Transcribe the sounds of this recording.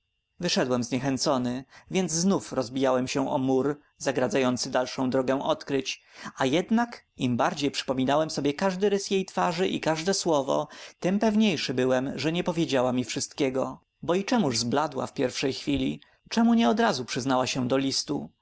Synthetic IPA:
vɘʂɛd̪wɛmzɲɛxɛnt̪sɔnɘvʲjɛnd̪zznufɾɔzbʲijawɛmɕɛʔɔ̰muɾ | zaɡɾad̪zajɔnt̪sɘd̪alʂɔ̃w̃d̪ɾɔɡɛ̃w̃ʔɔt̪kɾɘt͡ɕajɛd̪nak | imbaɾd͡ʑejpʂɘ̥pɔmʲinawɛmsɔbʲjɛkaʐd̪ɘɾɘsjejt̪faʐɘʔḭkaʐd̪ɛswɔvɔ̰t̪ɘmpɛvɲejʂɘbɘwɛmʐɛɲɛpɔvʲjed͡ʑawamʲifʂɘst̪kʲɛɡɔ | bɔit͡ʂɛmuʐzblad̪wa̰fpʲjɛɾfʂɛjxfʲilʲi | t͡ʂɛmuɲɛɔd̪ɾazupʂɘznawaɕɛd̪ɔlʲist̪ṵ

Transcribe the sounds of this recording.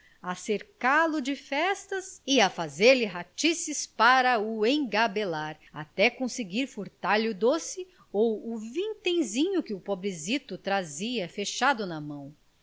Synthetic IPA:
aseɾkaɾlʊd͡ʒɪfɛst̪ɐsɪafazeɾlɪɦat͡ʃisɪspaɾɐʊẽɡabelaɾ | at̪ɛkõsɪɡiɾfuɾt̪aɾlɪʊd̪osɪ | owʊvĩt̪ẽj̃zĩɲʊkɪʊpobɾezit̪ʊt̪ɾaziɐfeʃad̪ʊnɐmɐ̃w̃

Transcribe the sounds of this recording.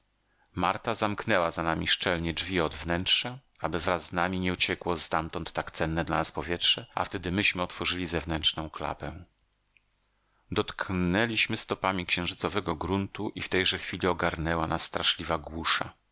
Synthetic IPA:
maɾt̪azamknɛwazanamʲiʂt͡ʂɛlɲɛd͡ʐvʲiɔd̪vnɛntʂaabɘvɾazznamʲiɲɛut͡ɕɛkwɔst̪amt̪ɔnt̪ːakt̪sɛnːɛd̪la̰naspɔvʲjɛtʂɛʔa̰ft̪ɛd̪ɘmɘɕmɘɔt̪fɔʐɘlʲizɛvnɛntnɔ̃w̃kla̰pɛ̃ | d̪ɔt̪knɛlʲiɕmɘst̪ɔpamʲikɕɛ̃w̃ʐɘt̪sɔvɛɡɔɡɾunt̪uʔift̪ɛjʐɛxfʲilʲiɔɡaɾnɛwanasːt̪ɾaʂlʲivaɡwuʂa̰

